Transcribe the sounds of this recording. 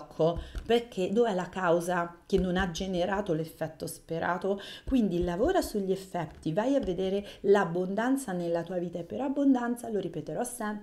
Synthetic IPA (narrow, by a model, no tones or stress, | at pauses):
kʰːoperk̟ʰːed̪ovɛlakawzakenːonad͡ʒeneɾaːt̪olefːɛt̪ːospeɾʔaːt̪okwind̪ilavoːɾasuʎːiefːɛt̪ːivajavːed̪eːɾelabːond̪ant̪sanelːat̪uːaviːt̪aepːeɾabːond̪ant̪saloɾipet̪eɾɔsɛmp